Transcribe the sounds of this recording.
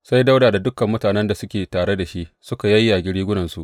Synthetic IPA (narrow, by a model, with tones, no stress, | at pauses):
sa˦jda˦wdaː˨da˨dʊ˦kɐ˨mːʊ˦taː˨nɛ˦nda˨sʊ˦kʲeː˨taː˨ɽe˦da˨ʃi˦ʔsʊ˦ka˨jɐ˦jːa˨ɡʲɪ˦ɽiː˦ɡʷʊ˦nɐ˨nsu˨ʔ